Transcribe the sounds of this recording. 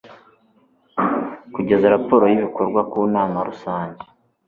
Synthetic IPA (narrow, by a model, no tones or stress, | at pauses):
kuɟe̞zaɾapo̞ɾo̞jiβiko̞ɾɡwakuːnaːmaɾusaːɲɟe̥